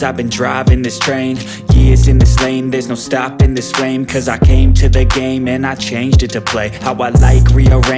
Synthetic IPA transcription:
zaɪvbɨ̃ndɹaɪvɪ̃ŋðɪstʰɹ̥ẽɪ̃n | jɪzɨ̃nðɪslẽɪ̃nðə˞znoʊstɑpɨ̃nðɪsflẽɪ̃mkʰʌzaɪkʰẽɪ̃mtʰɨðɨɡẽɪ̃mɨ̃naɪt͡ʃʰẽɪ̃nd͡ʒdɨtʰɨpʰl̥eɪhaʊwaɪla̰ɪkʰɹiəɹẽ

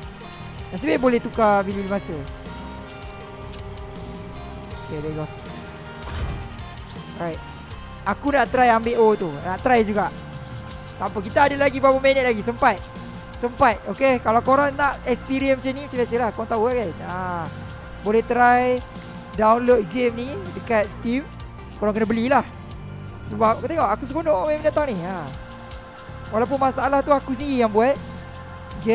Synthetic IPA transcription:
masibabolɛt̪ukabilulimasə | okedɛɡɔs | rajt̪̚ | akunaʔt̪ɾajambeʔot̪unaʔt̪ɾajd͡ʒuɡaʔ | t̪ampəkit̪aːdalaɡibapəmenət̪̚laɡisəmpat̪̚ | səmpat̪̚okekalawkoɾaŋnaʔɛkspiɾiənmət͡ʃamnimat͡ʃamasəhlahkoaŋt̪auakana | bolɛht̪ɾaj | dawnlot̪̚ɡemnidəkat̪̚st̪im | koɾaŋkənəbəlilah | səbap̚akut̪eŋoʔakus̬əkonoʔomẽməndat̪aŋnia | walap̬unmasaalaht̪uakusəndiɾijaŋbuat̪̚ | ɡe

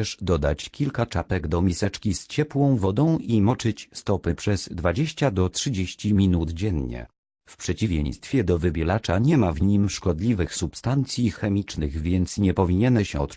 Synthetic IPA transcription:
ɛʂd̪ɔd̪a̰t͡ɕkʲilkat͡ʂapɛɡd̪ɔmʲisɛt͡ʂkʲist͡ɕɛpwɔ̃w̃vɔd̪ɔ̃w̃ʔimɔt͡ʂɘt͡ɕst̪ɔpɘpʂɛzd̪vad͡ʑeɕt͡ɕad̪ɔtʂɘd͡ʑeɕt͡ɕimʲinud̪d͡ʑɛnɲɛ̰ | fpʂɛt͡ɕivʲjḛ̃j̃st̪fʲjɛd̪ɔvɘbʲjɛlat͡ʂaɲɛmavɲimʂkɔd̪lʲivɘxsupst̪ant̪sʲjixɛmʲit͡ʂnɘɣvʲjɛnt̪sɲɛpɔvʲiɲɛnɛɕɛt̪

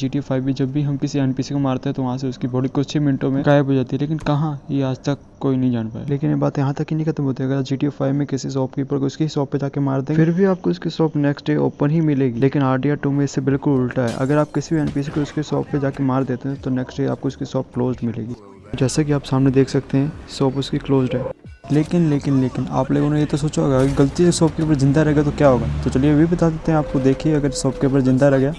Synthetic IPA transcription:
d͡ʒiːʈioːpʰaːɪbʱid͡ʒɐbːiɦɐmkɪsiɛːnpiːsikomaːɾt̪eɦɛ̃t̪oʋɐɦãseʊskibɐɽikʊʃʰemɪ̃nʈõmẽkaːjəbʱɦod͡ʒaːt̪iɦɛleːkɪnkɐɦãjjeaːd͡ʒt̪ɐkːoːinɐɦĩd͡ʒaːnpaːjaleːkɪnjebaːt̪jɐɦãt̪ɐkːinɐɦĩkʰɐt̪əmɦoːt̪iɐɡəɾaːpd͡ʒiːʈiopʰaːɪmẽkɪsis̬ɔːpkipɐɽɡeʊskisɔːpːed͡ʒaːkemaːɾd̪ẽːɡɪɾbʱiaːp̚koɪskisɔːpnɛːksʈɖeːo̰ːpənɦimɪleːɡileːkɪnaːɾɖiaːʈuːmẽɪsːebɪlkʊlʊlʈaɦɛ̰ːʔɐ̰ɡəɾaːp̚kɪsibʱiɛːnpiːsikoʊskesɔ̰ːppːed͡ʒaːkemaːɾd̪eːt̪eɦɛ̃t̪onɛːksʈɖeːaːp̚koʊskisɔːp̚kloːzɖmɪlḛːɡiː | d͡ʒɛːsak̬iaːpsaːmned̪eːkʰsɐkt̪eɦɛ̃sɔːpʊskikloːzɖɦɛːleːkɪnleːkɪnleːkɪna̰ːploːɡõnejet̪osoːt͡ʃaɦoːɡaɡɡɐlt̪isɔːp̚kepəɾzɪ̃nd̪aɾɛɦɡat̪okjaːɦoːɡaːt̪ot͡ʃɐlieʋʱibɐt̪aːd̪et̪eɦɛ̃aːp̚kod̪eːkʰieɐɡəɾsɔːpkepəɾzɪ̃nd̪aɾɛɦɡjaː

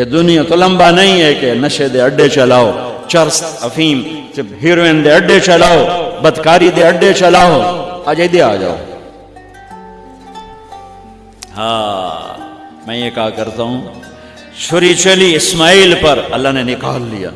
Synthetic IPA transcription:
ked̪ʊnijãt̪olɐ̃mbanɐĩɦɛkenɐʃed̪eɐɖet͡ʃɐlaːot͡ʃɐɾst̪ɐfʰiːmsɦiɾoʋẽːnd̪eɐɖːet͡ʃɐlaːobɐd̪kaːɾid̪eɐɖːet͡ʃɐlaːoaːd͡ʒɐid̪ea̰ːd͡ʒa̰ːo̰ | ɦaː | mɛ̃jekaːkɐɾt̪aːɦũ | ʃʊɾit͡ʃɐliɪsmaːiːlpɐɾɐlːaɦnenɪkaːlːḭja̰ː

